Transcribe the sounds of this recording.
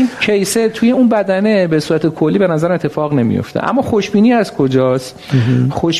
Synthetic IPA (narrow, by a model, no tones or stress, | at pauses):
inkʰejset̪ʰuje̞unbæd̪æne̞besuːɾæt̪ʰekʰo̞lːiːbe̞næzæɾæmet̪ʰːe̞fɒːɣne̞mḭjo̰ft̪ḛʔæ̰mːɒːχo̞ʃbiːniːæzkʰo̞d͡ʒɒːs | xoʃ